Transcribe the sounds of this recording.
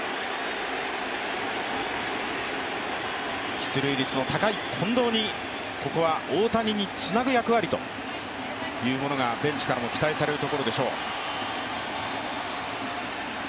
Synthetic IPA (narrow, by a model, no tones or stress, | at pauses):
çʲi̥t͡sɨɾɯ̟iɾʲit͡sɨno̞t̪akaikʰõ̞nd̪o̞ːɲ̟i | ko̞ko̞β̞aoːt̪aɲ̟iɲ̟it͡sɨnaɡɯ̟jakɯ̟βaɾʲit̪o̞̰ | jɯ̟ːmo̞no̞ɡabẽ̞ɲt͡ɕi̥kaɾamo̞kʲi̥t̪aisaɾe̞ɾɯ̟t̪okoɾo̞d̪e̞ɕo̞ː